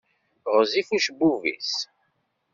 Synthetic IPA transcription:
ʁzifuʃbuvḭs

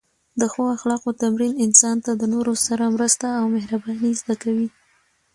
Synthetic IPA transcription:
d̪əxoaxlɑqot̪amɾinɪnsɑnt̪ad̪ənoɾosaɾamɾəst̪aːwmɪhɾabɑnizd̪akawi

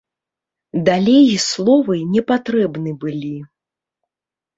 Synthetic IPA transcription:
d̪alʲejslˠɔvɨnʲɛpat̪ɾɛbnɨbɨlʲi

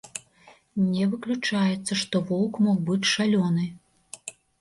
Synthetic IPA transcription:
nʲɛvɨklʲut͡ʂajɛt̪sːɐʂt̪ɔvɔwkmɔxbɨt͡sʲʂalʲɔnɨ

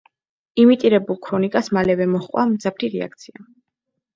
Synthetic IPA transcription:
imit̪ʼiɾɛbulˠkʰɾɔnikʼasmalɛvɛmɔχqʼwamd̪zapʰɾiɾɛa̰kʰt̪sʰia

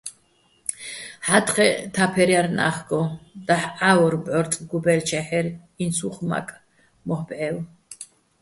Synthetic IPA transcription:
ħat̪χɛt̪ʰapʰɛɾjaɾna̰χɡɔd̪̥aħaɔɾbʕɔɾt̪ʼɡubɛlt͡ʃʰɛħɛɾ | insuχma̰kʼ | mɔhbʕɛw

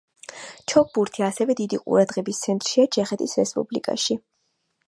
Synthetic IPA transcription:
t͡ʃʰɔk̚ʰbuɾt̪ʰiasɛvɛd̪id̪iqʼṵɾad̪ʁɛbist̪sʰɛnt̪ʼɾʃiat͡ʃʰɛχɛt̪ʰisɾɛspʼublḭkʼa̰ʃi

